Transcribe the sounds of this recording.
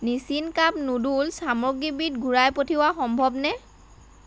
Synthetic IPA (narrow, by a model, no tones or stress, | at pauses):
nisinkapnudulsamɔɡibitɡʱuɹajpotʰiwaxɔmbʱɔbnɛ